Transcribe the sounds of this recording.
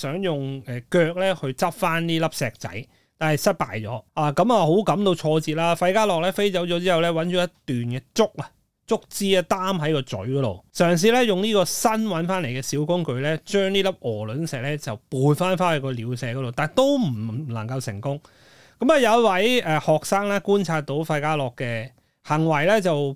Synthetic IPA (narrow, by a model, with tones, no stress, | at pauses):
sœː˨˥ŋjʊ˨ŋɛː˨kœː˧k̚lɛː˥hɵ˧ɥt͡sɐ˥p̚faː˥nniː˥lɐ˥p̚sɛː˧k̚t͡sɐ̰˨˥j | t̪aː˨˩nhɐ˨jsɐ˥t̚paː˨jt͡sɔ̰ː˨˥aː˨˧kɐ˨˥mɐ˨˧ɦo˨˥wkɐ˨˧˥mt̪o˧wt͡ʃʰɔː˧t͡siː˨t̚laː˦˥fɐ˧jkaː˥lɔː˨k̚lɛː˥fe˥jt͡sɐ˨˥wt͡ʃɔː˨˥t͡siː˥hɐ˨wlɛː˥wɐ˨˥nt͡ʃɔː˨˥jɐ˥t̪yː˨nkɛː˧t͡sʊ˥k̚ɐ˨ | t͡sʊ˥k̚t͡siː˥ɐ˧t̪aː˥mɦɐ˨˥jkɔː˧t͡sɵ̰˨˥ɥkɔ˨˧˥t̪o̰˨wsœː˨˩ŋs̬iː˨˧lɛ˥jʊ˨ŋniː˥kɔː˧sɐ˥nwɐ˨˥nfaː˥nle˨˩jkɛː˧siː˨˥wkʊ˥ŋkɵ˧ɥlɛː˥t͡ʃœː˥ŋliː˥lɐ˥p̚ʔɔː˨˩lɵ˨˥nsɛː˨k̚lɛː˥t͡sɐ˨wpuː˨˧nfaː˥nfaː˥nɐ˨˧kɔː˧liː˨˧wsɛː˨˧kɔ˨˧t̪o˨wt̪aː˨˩nt̪o˥wm̩˨˩˨lɐ̰˨˩ŋkɐ˧wsɪ̰˨˩ŋkʊ˥ŋ | kɐ˨˥mlɛ˧jɐ˨˦˥t̚wɐ˨˥jɛː˨hɔː˨k̚saː˥ŋlaː˥kuː˥nt͡sʰaː˧t̚t̪o˨˥wfɐ˧jkaː˥lɔː˨kːɛː˧ | hɐ˨˩ŋwɐ˨˩jlɛ˥t͡sɐ˨w